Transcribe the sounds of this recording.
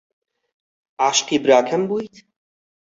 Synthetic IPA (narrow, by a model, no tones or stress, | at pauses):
aːʃqiːbɾaːkʰɐmbuːjt̪ʰ